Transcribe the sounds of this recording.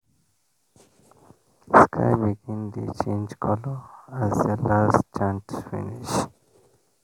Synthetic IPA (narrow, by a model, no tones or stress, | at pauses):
skʰa̰ɪbiɡɪ̃nd̪ṵt͡ʃʰẽnd͡ʒkʰɔləæzdəlast͡ʃãntu̥fḭniʃ